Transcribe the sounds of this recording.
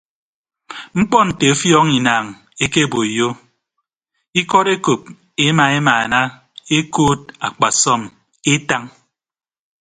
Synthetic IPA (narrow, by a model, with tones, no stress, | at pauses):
ŋ͡m̩˦k͡pɔ˦n̩˨te˨o˦fjɔː˦ŋi˨naː˨ŋ | e˦ke˦˨bo˨i˨jo˦ | i˦kɔ˦ɾe˦ko˨p̚ | e˦ma˨e˦ma˨a˨na˦ | e˦koː˦t̚a˨k͡pa˨sɔ˦m | e˦ta˦ŋ